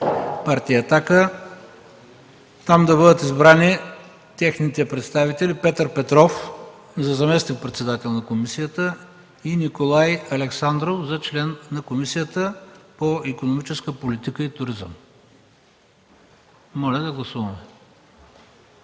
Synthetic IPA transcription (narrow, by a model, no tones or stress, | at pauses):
paɾt̪ijəːt̪akə | t̪amd̪ɐbɤd̪ət̪izbɾani | t̪ɛxnit̪ɛpɾɛt̪st̪avit̪ɛlipɛt̪əɾpɛt̪ɾɔf | zɐzɐmɛsnik̚pɾɛt̪sɛd̪at̪ɛlˠnɐkomisijət̪ə | inikolˠajɐlɛksand̪ɾofzɐt͡ʃlɛnnɐkomisijət̪əpoikonomit͡ʃɛskəpolit̪ikəit̪ʊɾizə̰m | mɔlʲɛd̪ɐɡlˠɐsuvɐmɛ